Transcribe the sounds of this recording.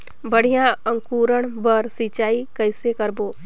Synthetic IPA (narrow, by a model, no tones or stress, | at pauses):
bəɽ̤ijãə̃ŋkuːɾəɽ̃bəɾsit͡ʃaːikəɪsekəɾboː